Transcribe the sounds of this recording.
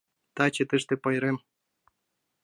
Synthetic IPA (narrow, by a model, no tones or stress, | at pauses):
t̪at͡ɕet̪ɨʃt̪epojɾem